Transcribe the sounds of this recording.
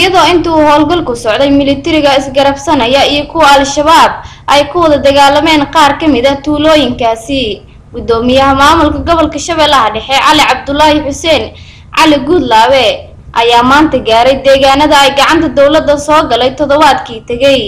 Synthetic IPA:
ɪjɐðɔːɪnt̪ʰɐuːhɔːlɡɐlkʰʊsɔʕd̪ɛjmɪlɪt̪ʰɪɾɪɣɐɪsɡɐɾɐfsɐnɐjɐijɞkʰʊwɐɐlʃɐβaːb̚ | ʔɛjkʰʊwɐðɐd̪ɐɣaːlːɐmɛːnqɑːrkʰɐmɪðɐt̪ʰuːlɔːjɪŋkʰaːsɪ | ɡʊd̪ɔːmɪjɐɦɐmaːmʊlkʰɐɡɔβɔlkʰɐʃɐβɛːlːɐɦɐɖɛħɛʕɑlɪʕɑb̚d̪ʊlːaːhɪħʊsɛːn | ʕɑlɪɡud̪laːwɛ | ʔɐjaːmaːnt̪ʰɐɡaːɾɛjd̪ɛːɣaːnɐðɐɛjɡɑʕɑnt̪ʰɐd̪ɔwlɐd̪ːɐsɔːɡɐlɛjt̪ʰɔðɔβaːd̪kʰiːt̪ʰɐɣɛj

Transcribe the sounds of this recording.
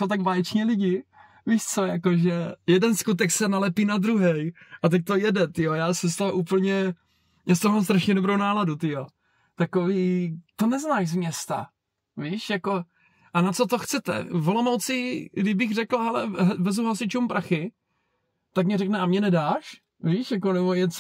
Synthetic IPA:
sowt̪aɡvaːjɛt͡ʃɲɛlɪɟɪ | viːʃt͡sojakoʒɛjɛdɛnskut̪̬ɛksɛnalɛpiːnad̪ɾuɦɛjʔat̪̬ak̚t̪ojɛdɛt̪ɪjojaːsɛst̪aʔuːpl̩ɲɛ | jaːs̬t̪oomaoːms̬t̪ɾaʃɲɛdobɾownaːladut̪ɪjo | t̪akoviːt̪onɛznaːʃzmɲɛst̪a̰ | viːʃjako̞ | ʔanat͡sot̪oxt͡sɛt̪ɛ̰volomowt͡sɪɡdɪbɪɣr̝ɛklɦɛlɛ̰ɦvɛzuɦlasɪt͡ʃumpɾʔaxɪ | t̪akmɲɛɾɛknɛʔamɲɛnɛdaːʃ | viːʃjak̬onɛbojɛt͡s

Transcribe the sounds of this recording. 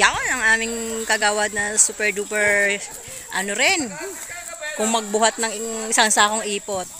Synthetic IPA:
jaʔonɐŋʔaːmɪŋkɐɡaːwɐd̪̚nɐsuːpɛɹd̪uːpɛɹ | ʔɐnoɾɛn | kʊŋmɐɡ̚bʊɦat̪̚nɐŋɪsɐŋsaːkoŋʔiːpot̪̚

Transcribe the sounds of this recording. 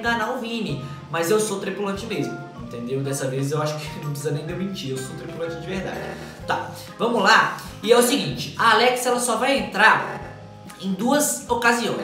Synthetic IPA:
ɡɐnaʊvĩnɪ | mɐzewsot̪ɾipulɐ̃t͡ʃɪmezmʊ | ẽt̪ẽnd̪ewɪd̪ɛsɐvezewaʃʊ̥kɪ̥nɐ̃w̃psizɐnẽj̃d̪eɾmĩnt͡ʃiɾewsot̪ɾipulɐ̃t͡ʃɪd͡ʒɪvehd̪a̰d͡ʒɪ | t̪ã | vɐ̃mʊla | ɪɛʊsiɡĩt͡ʃɪ̥ɐalɛksɛlɐsɔvajẽnt̪ɾaɾ | ẽj̃d̪uɐzokaziõj̃

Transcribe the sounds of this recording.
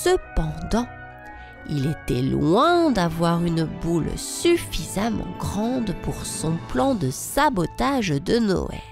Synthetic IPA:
səpɑ̃d̪ɑ̃ | ilet̪ɛlwɛ̃d̪avwaʁynbulsyfizamɑ̰̃ɡʁɑ̃d̪puʁsɔ̃plɑ̃d̪əsabɔt̪aʒd̪ənɔ̰ɛ̰

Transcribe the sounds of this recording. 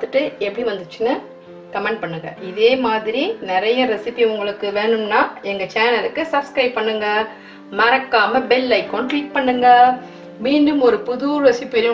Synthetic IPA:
t̪ɯʈːɯɛpːɐɽiʋɐnd̪ɯt͡ʃːɯnɯ | kɐmɛɳɖ̚pɐɳːɯŋɡɐ̰ɪðeːmaːðɪɾinɪɾɐjɐɾɛsɪpːiʊŋɡɐɭɯkːɯʋeːɳɯmnaːɛŋɡɐt͡ʃaːnɐlɯkːɯsɐbskɾɐɪp̚pːɐɳːɯŋɡɐ | mɐɾɐkːaːmɐbɛlːɐɪkːɔnkliːʈ̚pɐɳːɯŋɡɐ | miːɳɖɯmɔɾɯpʊðuːɾʋɛsɪpːɾ

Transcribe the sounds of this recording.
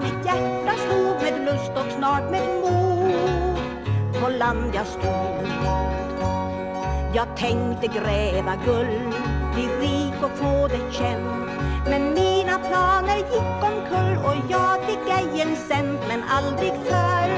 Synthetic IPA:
mɪt̪jæʈːashuːpmeːd̪lɵst̪ɔksnɑːʈmeːd̪muː | pʰɔland̪jaskuːl | jɑːɡ̚t̪ʰɛŋkt̪əɡɾɛːvaɡɵl | b̪ɪɾiːkɔfoːd̪ɛɕɛm | t̪mɛnmiːnapʰlɑːnəɾjɪkːɔmkʰɵlːɔjɑːɡbɪɡɛjːənsɛnt̪mɛnald̪ɾɪɡfœːɾ

